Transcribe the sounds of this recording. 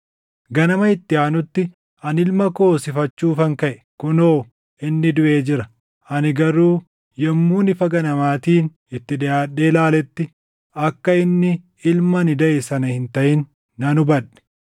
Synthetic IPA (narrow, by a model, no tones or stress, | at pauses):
ɡɐnɐmɐɪt̪ːɪaːnʊt̪ːɪ | ʔɐnɪlmɐko̞ːsɪfɐt͡ʃːuːfɐŋkɐʔɛ̥ | kʊnoː | ʔɪnːɪd̪ʊʔe̞ːd͡ʒɪɾɐ | ʔɐnɪɡɐɾuː | jɛmːuːnɪfɐɡɐnɐmaːt̪iːn | ɪt̪ːɪᶑ̪ɛjaːᶑːe̞ːlaːlɛt̪ːɪ | ʔɐkːɐɪnːɪ | ɪlmɐnɪd̪ɐʔɛsɐnɐhɪnt̪ɐʔɪnː | ɐnʊbɐᶑɛ̥